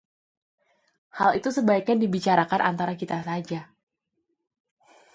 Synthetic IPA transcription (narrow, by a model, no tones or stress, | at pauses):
halit̪usəbaikandibit͡ʃaɾakanʔa̰nt̪aɾakit̪asad͡ʒa